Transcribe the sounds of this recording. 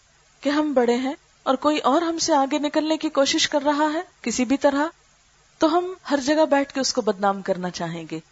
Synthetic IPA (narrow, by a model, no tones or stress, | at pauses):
keɦɐmbɐɽ̤eɦɛ̃ | ɔːɾkoːiʔɔːɾɦɐmseaːɡenɪkəlnekikoːʃɪʃkɐɾːɐɦaɦɛːkɪsibʱit̪ɐɾa | t̪oɦɐmhɐɾd͡ʒɐɡabɛːʈʰkeʊskobɐd̪naːmkɐɾnat͡ʃaːɦẽːŋɡeː